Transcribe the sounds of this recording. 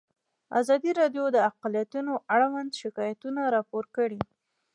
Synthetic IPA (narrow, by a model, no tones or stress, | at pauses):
a̰zɑd̪iɾɑɖjod̪əaqlijat̪unoʔaɽawand̪ʃɪkɑjat̪unaɾɑpoɾkəɽi